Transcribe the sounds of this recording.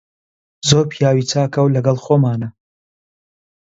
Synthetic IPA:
zoːɾpʰijaːwiːt͡saːkɐwlɐɡɐlˠxoːmaːnɐ

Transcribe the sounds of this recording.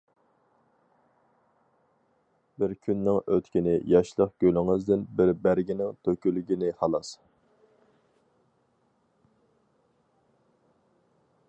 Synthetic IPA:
bɪɾkʲʰynːɪŋøt̪kʲinɪjɑʃlˠəqɡ̥ʲølɪŋɨzd̪ɪnbɪɾbæɾɡʲinɪŋt̪ʰøkʲylyɡʲinɪhɑlˠɑs

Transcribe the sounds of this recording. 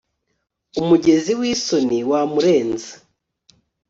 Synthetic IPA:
umuɟe̞ziwiːso̞niwamuɾe̞ːnzḁ

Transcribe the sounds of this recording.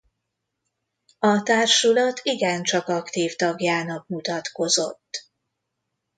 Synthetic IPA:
ɒt̪aːrʃulɒt̪ʰiɡɛnt͡ʃɒkɒkt̪iːft̪ɒɡjaːnɒk̚mut̪ɒt̪ko̞zo̞̰t̪ː

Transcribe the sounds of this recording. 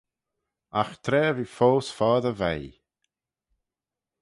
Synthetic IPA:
axt̪ʰɾeːviːfoːsfɔːðəvɛj

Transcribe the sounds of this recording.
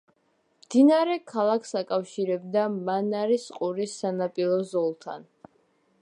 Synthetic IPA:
md̪inaɾɛkʰalˠakʰsakʼafʃiɾɛbd̪amanaɾisqʼuɾisːanapʼilˠɔzɔlˠt̪ʰa̰n

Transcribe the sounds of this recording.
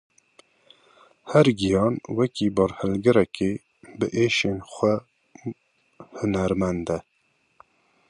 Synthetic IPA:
hɛɾɡijɑːnwɛkiːbɑɾhɛlɡɛɾɛkeː | bɨʔeːʃeːnxʷɛ | hʊnæɾmɛnd̪ɛ

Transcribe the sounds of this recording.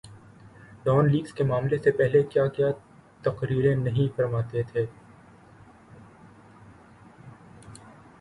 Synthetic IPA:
ɖɔːnliːɡskemaːmlesepɛɦlekjakija | t̪ɐqɾiːɾẽnɐɦĩfɐɾmaːt̪et̪ʰeː

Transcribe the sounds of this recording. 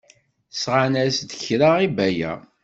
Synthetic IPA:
sʁanæsd̪əçɾaʁibæjæ̰

